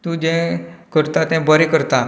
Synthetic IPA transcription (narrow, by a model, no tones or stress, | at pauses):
t̪ũːd͡ʑɛ̃kəɾt̪at̪ɛ̃bəɾekəɾt̪a